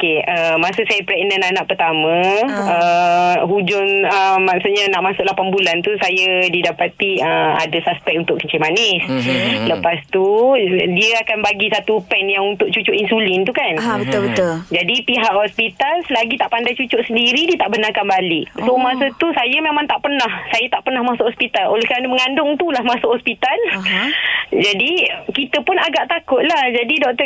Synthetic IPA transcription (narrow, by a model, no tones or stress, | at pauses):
keəmasəsajapɾɛʔnə̃nanaʔpərt̪amãəɦud͡ʒʊnəmːasuʔɲanaʔmasʊʔlapanbulant̪usajadidapat̪iəa̰dasaspɛk̚unt̪ʊʔkəɲt͡ʃemanɪsləpast̪udiaakanbaɡisat̪upɛnjaŋunt̪ʊʔ̚t͡ʃut͡ʃʊʔinsulɪnt̪ukanbət̪ʊbət̪ʊld͡ʒadipiɦaʔhɔspit̪alslaɡit̪aʔpandajt͡ʃut͡ʃʊʔsəndiɾidiət̪aʔbənakanbalɪʔsomasət̪usajəmemãŋt̪aʔpərnahsajat̪aʔpərnahmasʊʔhɔspit̪alo̰lɛhkɾanəməŋandʊŋt̪ulahmasʊʔhɔspit̪al | d͡ʒadikit̪əpʊnaɡaʔt̪akʊt̪̚lahd͡ʒadidɔk̚t̪ə